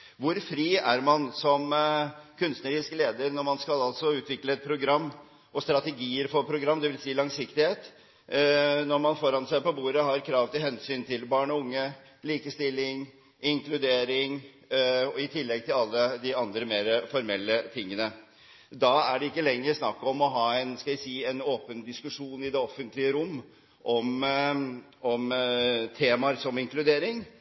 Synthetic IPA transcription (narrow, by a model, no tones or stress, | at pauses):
ʋʊɾfɾiːæɾmɑnsɔmkʰʉnst̪nəɾiːskəleːd̪əɾnɔɾmɑnskɑlɑlt̪sɔʉːt̪ʋɪkləɛt̪̚pʰɾʊɡɾɑmː | ʔɔst̪ɾɑt̪ɛɡiːəɾfɔɾpʰɾʊɡɾɑmːd̪ɛʋɪlsiːlɑŋsɪkt̪ɪheːt̪ | nɔɾmɑnfɔɾɑnsæɪpɔbuːɾəɦɑɾkʰɾɑːʋt̪ɪlhɛnsyːnt̪ʰɪlbɑːɳɔʊŋːə | liːkəst̪ɪlːɪŋ | ɪŋklʉd̪eːɾɪŋ | ɔɪt̪ʰɪlːɛɡ̚t̪ʰɪlɑlːəd̪ɪɑnd̪ɾəmeːɾfɔɾmɛlːət̪ʰɪŋːənə | d̪ɑæɖɛɪkːəlɛŋːəɾsnɑkːɔmɔɦɑːɛnskɑlæsiːɛnoːpənd̪ɪskʉʂuːnɪd̪ɛɔfːənt̪lɪəɾʊmː | ʔɔm | ɔmt̪ʰeːmɑɾsɔmɪŋklʉd̪eːɾɪŋ